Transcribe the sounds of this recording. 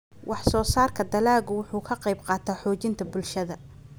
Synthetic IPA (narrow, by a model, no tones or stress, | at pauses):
wʔɑħsɔːsaːrkʰɐd̪ɐlaːɣʊwʊħuːkʰɐqɑjbqɑːt̪ʰaħɔːt͡ʃɪnt̪ʰɐbʊlʃɐðɐ